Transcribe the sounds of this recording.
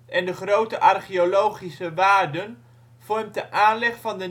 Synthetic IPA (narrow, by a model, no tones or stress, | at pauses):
ʔɛndəχrowtəʔɑrχiolowχisəʋaːɹdən | v̥ɔɹmtdəʔaːnlɛχfɑndə